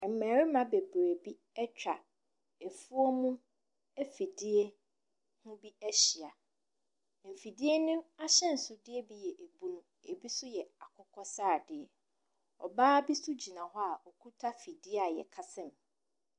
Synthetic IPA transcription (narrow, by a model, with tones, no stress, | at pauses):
m̩˨mæ̃˨ɾɪ˦mã˨be˨bɾe˨bi˦ | ɛ˦t͡ɕᶣa˨ | e˨fu˦ɔ˦mũ˦ | ɛ˦fi˨dɪ˦e˦ | hʊ̃˦bi˦æ˦ɕɪ˨a˨ | m̩˨fi˨di˦e˦nʊ̃˦a˦ɕɛ̃˦˨n̩˨sʊ˨dɪ˦ɛ˦bi˦jɛ˨ʔe˨bũ˦nũ˦ | e˨bi˦sʊ˦jɛ˨a˨kʰʊ˦kʰɔ˦saː˦˨dɪ˨ɛ˨ | ɔ̰˨baː˦bi˦sʊ˦d͡ʑi˨nã˨hɔ˦a˨ʔɔ˨kʰu˦tʰa˦fi˨dɪ˦a˨jɛ̰˨kʰa˦sɛ̃˦m